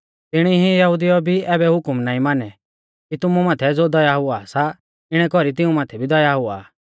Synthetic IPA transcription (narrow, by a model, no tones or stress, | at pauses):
t̪ɪɽ̃iɦijɐɦʊd̪ijɔbʱiɛːbɛɦʊkʊmnaːĩmaːnɛ | kit̪ʊmumaːt̪ʰɛd͡zod̪ɔjaɦʊasa | ɪɽ̃ɛkɔɾit̪ɪũmaːt̪ʰɛbʱid̪ɔjaɦʊa̰ː